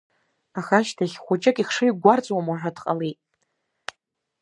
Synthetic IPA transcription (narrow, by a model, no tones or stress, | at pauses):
aχaʃtʰaχʲχʷʊt͡ʃʼakʼiχʂɨjɡʷart͡sʼwamwaʒᶣʷadqʼalejtʼ